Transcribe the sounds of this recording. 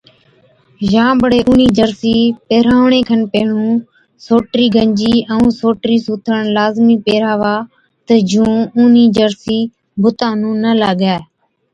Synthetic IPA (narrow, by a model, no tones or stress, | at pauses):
ʒãːbəɽeːʔuːniːd͡ʒəɾsiːpeːɾaːʋɳẽːkʰənpeːɳũː | soːʈɾiːɡʱəɲd͡ʒiːʔəũːsoːʈɾiːsuːt̪ʰəɳlaːzmiːpeːɾaːʋaː | t̪əd͡ʒʱũːuːniːd͡ʒəɾsiː | bʊt̪ãːnũːnəlaːɠɛː